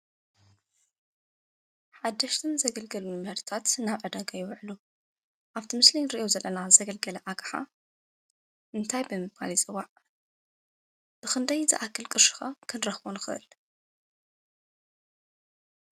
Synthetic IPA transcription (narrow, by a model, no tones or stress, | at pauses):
ħad̪ːɐʃt̪ʰɨnzɐɡɐlɡɐlunmhɨɾt̪ʰat̪naβʕɨd̪aɡajɪwʕlu | ʔaβt̪ʰimɨslijnɾiʔozɐlːɐnazzɐɡɐlɡɐlɐʔaɡʰʼħa̰ | ʔɨnt̪ʰajbɨmɨβkʰa̰lit͡sʼɨwːaʕ | b̥ɨxɨnd̪ɐjzɨ̰ʔakʰːɨlkʼɨɾʃɨ̥xɐkʰɨnɾɐxwonxɨ̰ʔɨ̰l